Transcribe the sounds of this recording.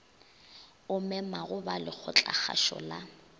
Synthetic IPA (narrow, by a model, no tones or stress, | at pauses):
ʊmɛmaɣʊbalɪk͡xʰʊt͡ɬʼa̰χa̰ʃɔ̰la